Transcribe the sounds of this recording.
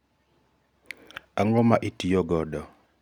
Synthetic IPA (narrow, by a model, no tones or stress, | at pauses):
aŋɾɔmaʔitijɔɡɔdɔ